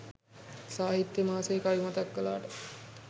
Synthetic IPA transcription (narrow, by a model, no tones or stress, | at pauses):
saːɦit̪jəmaːsekajumat̪akːəlaːʈə